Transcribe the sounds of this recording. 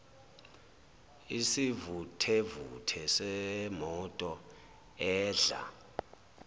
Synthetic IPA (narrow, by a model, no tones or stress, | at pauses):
isivutʰɛvutʰɛsɛmɔtʼɔ | ɛːɮa̰